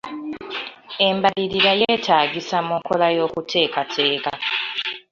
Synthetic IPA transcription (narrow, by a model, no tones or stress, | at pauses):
e̞mbaliɾiɾajeːtaːɡisamuŋkolajo̞ːkutʰe̞ːkatʰe̞ːka